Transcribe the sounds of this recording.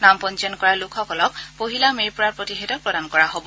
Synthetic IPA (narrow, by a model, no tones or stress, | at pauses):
nampɔnt͡ʃɔnkɔɹalukʰɔkɔlɔk̚poɦilamejpɔɹaɹpɹotixɛdɔt̚pɹɔdankɔɹaɦobɔ